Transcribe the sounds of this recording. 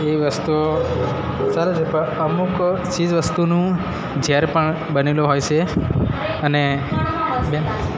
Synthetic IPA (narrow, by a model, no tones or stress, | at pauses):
eʋəst̪uo | t͡ʃaled͡ʒepəəmukt͡ʃid͡ʒʋəst̪unũ | d͡ʒaɾpəɳ | bənelõɦojt͡ʃʰe | əne | ben